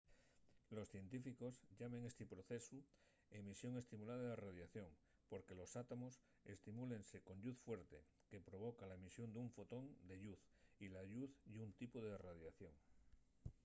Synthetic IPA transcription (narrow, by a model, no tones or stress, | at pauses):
lo̞sθje̞nt̪ifiko̞sʎame̞ŋe̞st̪ipɾo̞θe̞su | emisjo̞ŋe̞st̪imulað̞aðeraðjaθjo̞ŋ | po̞ɾke̞lo̞sat̪amo̞s | e̞̰st̪imule̞nse̞ko̞nʎuθfwe̞ɾt̪e̞̰ | ke̞pɾo̞β̞o̞kalaemisjo̞nd̪uɱfo̞t̪o̞nd̪e̞ʎuθ | ilaʎuθd̪unt̪ipoðeraðjaθjo̞ŋ